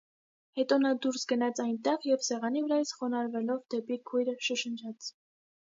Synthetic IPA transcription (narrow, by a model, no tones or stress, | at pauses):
hɛt̪ɔnɑd̪uɾsɡənɑt͡sʰɑjnt̪ɛʁjɛvsɛʁɑnivəɾɑjəsχɔnɑɾvɛlɔvd̪ɛpikʰujɾəʃəʃənt͡ʃʰɑt͡sʰ